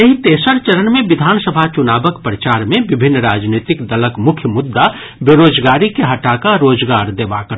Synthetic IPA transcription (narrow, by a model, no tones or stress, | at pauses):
jɐɦit̪eːsəɾt͡ʃəɾənmẽʋɪd̪ʱaːnsəbʱat͡ʃʊnaːbəkpɾət͡ʃaːɾmẽʋɪbʱɪnːɾaːd͡ʒniːt̪ɪkd̪ɐləkmʊkʰjəmʊd̪ːa | beɾoːd͡ʒɡaːɾikeɦɐʈaːkaɾoːd͡ʒɡaːɾd̪eːʋa̰kəɾ